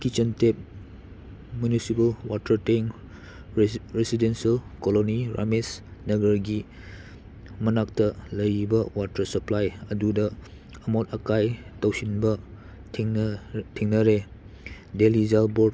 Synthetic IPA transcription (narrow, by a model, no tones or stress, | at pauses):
kit͡ʃəntep̚ | munisipəlwatəɾteŋ | ɾesidensiəlkoloniɾa̰mesnəɡəɾɡi | mənak̚tələjibɐwatəsəplajədudə | əmatəkajtawsinbɐ | tʰeŋnəɾe | delizalbɔd̚